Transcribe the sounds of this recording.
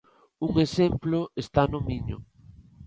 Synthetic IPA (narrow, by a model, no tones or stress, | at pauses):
uŋesemploest̪anomiɲo̰